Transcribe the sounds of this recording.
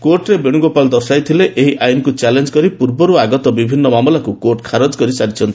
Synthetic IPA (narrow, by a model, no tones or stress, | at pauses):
koɾʈɾebeɽ̃uɡopald̪ɔsajt̪ʰileʔeɦiʔajnkut͡ʃalend͡ʒkɔɾipuɾbɔɾuaɡɔt̪ɔbibʱinːɔmamɔlakukoɾʈkʰaɾɔd͡ʒkɔɾisaɾit͡ʃʰɔnt̪ʰi̥